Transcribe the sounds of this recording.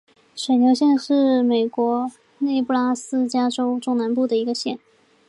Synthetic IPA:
ʂə˨˩nljo˧˥ʊɕjɛ˥˧nʂɻ̩˥˩me˨˩ɪkwɔ˧˥ | ne˥˧ɪpu˥˩la˥sɹ̩˥t͡ɕja˥ʈ͡ʂo˥ʊʈ͡ʂʊ˥˩ŋna˧˥npu˥˩d̪ə˩i˧˥ɡə˧ɕjɛ˥˩n

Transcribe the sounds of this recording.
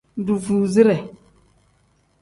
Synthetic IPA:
n˦du˨vu˨zi˦ɾɛ˨

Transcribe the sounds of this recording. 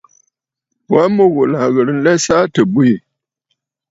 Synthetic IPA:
wa˦mə˦ɣo˨la˨ɣə˨ɾn̩˦lɛ˦sa˦tə˨bwi˦˨

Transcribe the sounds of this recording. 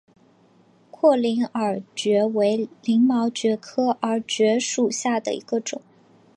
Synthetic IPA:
kʰwɔ˥˩li˧˥ŋə˞˨˩t͡ɕɥɛ˧˥we˧˥ɪli˧˥ŋmɑ˧˥ʊt͡ɕɥɛ˧˥kʰɤ˥ʔə˞˧˥t͡ɕɥɛ˧˥ʂu˨˩ɕja˥˩d̪ə̰˩ḭ˧˥ɡ̥ə˧ʈ͡ʂʊ˨˩˦ŋ

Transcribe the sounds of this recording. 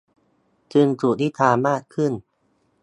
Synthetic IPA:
t͡ɕɯ˧ŋt͡ɕu˨˩t̪ʰiː˥˩t̪ʰaː˧maː˥˩kkʰːɯ˥˩n

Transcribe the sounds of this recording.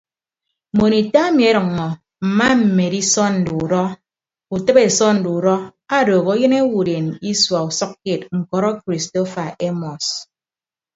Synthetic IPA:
mo˨ni˨ta˦e˦mi˨e˦ɾɨ˨ŋːɔ˨ | m̩˨ma˦m̩˨me˨di˦sɔ˦n̩˨du˨u˨ɾɔ˦ | u˨tɨ˦be˨sɔ˦n̩˨du˨u˨ɾɔ˦a˦ɾoː˨ɣo˦jɨ˦ne˦wu˨ɾe˨ni˦swa˨u˨sʌ˦kːke˨t̚ŋ̩˨kɔ˨ɾɔ˦kɾi˨sto˦fa˨ʔe˦mɔ˨s

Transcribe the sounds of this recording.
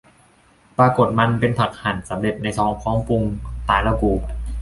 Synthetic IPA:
pɾaː˧ko˨˩t̪̚ma˧npe˧npʰa˨˩k̚ha˨˩nsa˩˦mle˨˩t̪̚na˧jt̪ʰɔː˦˥ŋkʰɔː˦˥ŋpu˧ŋt̪aː˧˥nla˧wkuː˧˩

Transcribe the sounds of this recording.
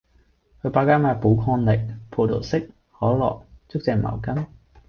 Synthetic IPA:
kʰɵ˨˧paː˧kaː˥maː˨˧pu˨˥wkʰɔː˧nlɪ˨k̚pʰo˧wt̪ʰo̰˨˩wsɪ˥k̚ | hɔː˨˥lɔ̰ː˨k̚t͡sʊ˥k̚t͡sɛː˨˧ma̰ː˨˩wkɐ˥n

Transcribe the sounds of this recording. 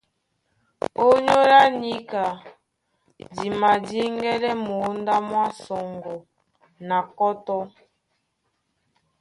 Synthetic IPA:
o˦ɲo˦la˦ni˦ka˨ | di˨ma˨di˦ŋɡɛ˦lɛ˦mo˨˦nda˦mwa˦sɔ˨ŋɡɔ˨ | na˨kɔ˦tɔ˦

